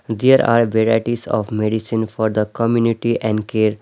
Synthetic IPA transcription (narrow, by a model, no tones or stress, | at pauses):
d̪eəɾa̰ːɾbɛɾaɪʈisɔ̰ːʋmeɖisĩnfɔːɾd̪əkɔmjuːniʈiʔɛ̃ɳɖkeːɾ